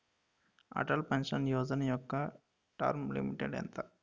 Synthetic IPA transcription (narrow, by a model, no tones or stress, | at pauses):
ɐ̰ʈɐlpenʂɐnjoːd͡ʒɐnɐjɔkːɐ | ʈa̰ːɾmlḭmiʈeɖḛnt̪ɐ